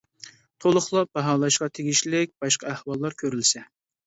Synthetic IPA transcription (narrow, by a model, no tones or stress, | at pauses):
t̪ʰolˠʊχlˠɑb̥ɑɦɑːlˠɑʃqɑt̪ʰeɡʲiʃlɪk̚ʲb̥ɑʃqʰɑæhwɑlˠːɑɾkʲʰøɾylsɛ